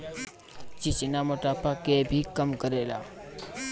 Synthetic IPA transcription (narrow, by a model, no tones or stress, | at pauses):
t͡ʃit͡ʃinamoʈapʰakebʱikəmkəɾela̰